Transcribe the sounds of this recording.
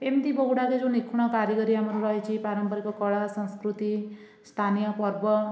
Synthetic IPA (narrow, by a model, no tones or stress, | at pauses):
emd̪ibɔɦuɽaked͡ʒũnikʰuɽ̃ɔkaɾjʌɡɔɾiamɔɾuɾʌɦet͡ʃʰipaɾʌmpɔɾikɔkɔɭasɔ̃nskɾut̪i | st̪ʰanijɔpɔɾbɔ